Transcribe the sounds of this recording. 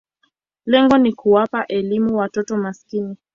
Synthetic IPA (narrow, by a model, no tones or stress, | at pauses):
lɛŋɡɔnikuwapaʔɛlimuwatɔtɔmaskini